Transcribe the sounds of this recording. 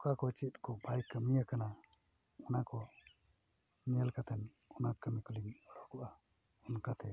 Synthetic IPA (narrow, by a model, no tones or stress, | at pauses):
kakɔt͡ʃit̪̚ˀkɔbajkəmijakana | ɔnakɔ | mijalkat̪ɛn | ɔnakəmikuliŋɔɽɔkɔʔa | ɔnkat̪ɛ